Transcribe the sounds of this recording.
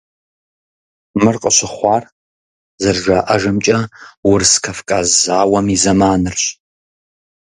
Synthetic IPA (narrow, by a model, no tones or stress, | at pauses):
mɨrqʼəɕɪχʷɑːr | zɨrʒaːʔɐʒɨmt͡ʃʼɐwʊrskʰɐfkʼazaːwɐmizɐmaːnɨrɕ